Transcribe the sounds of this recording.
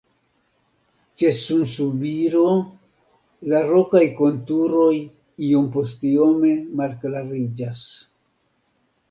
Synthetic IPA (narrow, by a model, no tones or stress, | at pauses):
t͡ʃe̞sunsubiɾo | laɾo̞kajko̞ntuɾo̞j | io̞mpo̞stio̞me̞malklaɾid͡ʒas